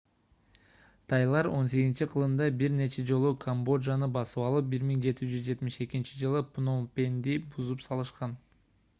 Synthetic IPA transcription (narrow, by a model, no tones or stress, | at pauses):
t̪ʰɑjlˠɑɾo̞ns̬e̞ɡzint͡ʃiqʰɯlˠɯmd̪ɑbiɾne̞t͡ʃe̞d͡ʒo̞lˠukʰombo̞ʒɑnɯbɑsɯβɑlˠɯp̚biɾmiŋd͡ʒe̞t̪id͡ʒyzd͡ʒe̞t̪miʃe̞kint͡ʃid͡ʒɯlˠɯpnompʲe̞nd̪ibuzupsɑlˠɯʃqɑn